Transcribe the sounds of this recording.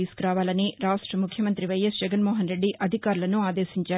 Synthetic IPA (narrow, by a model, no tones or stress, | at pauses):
iːskuɾaːʋaːlɐniɾaːʂʈɾɐmukʰjɐmɐnt̪ɾiʋɐjɐsd͡ʒɛɡɐnmɔːɦɐnɾe̞ɖːiʔʔɐd̪ʱikaːɾulɐnuaːd̪eːʃiɲt͡ʃaː